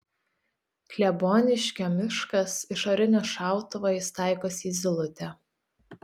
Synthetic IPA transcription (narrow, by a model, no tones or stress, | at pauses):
klʲɛboːnʲɪʃʲkʲɛmʲɪʃkɐsɪʃɐɾʲɪnʲɛʃɑˑʊt̪ʊʋɑjɪst̪ɑˑɪkoːsʲiːzʲɪlˠʊt̪ʲɛ